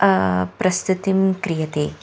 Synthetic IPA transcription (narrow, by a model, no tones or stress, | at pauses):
pɾɐst̪ut̪imkɾijɐt̪eː